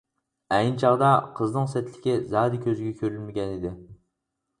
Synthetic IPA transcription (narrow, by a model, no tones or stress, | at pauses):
ɛjnɪt͡ʃʰɑʁd̪ɑqʰəznɨŋsɛt̪ʰlɪ̥kʲɪzɑːd̪ɪkʲøzɪɡʲɛkʲʰøɾylmɪɡʲɛnɪd̪ɪ